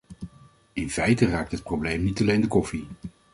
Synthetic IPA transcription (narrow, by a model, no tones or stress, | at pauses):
ɪnfɛjtəraːk̚tɦət̚prowblejmnitɑlejndəkɔfi